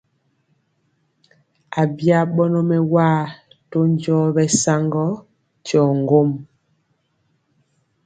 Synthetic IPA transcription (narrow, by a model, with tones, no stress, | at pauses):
a˨bja˦ɓɔ˦nɔ˦mɛ˦waː˦˨ | to˦ɲ˦d͡ʒɔː˦bɛ˦sa˦ŋɡɔ˦ | t͡ʃɔː˨ŋ˨ɡo˦˨m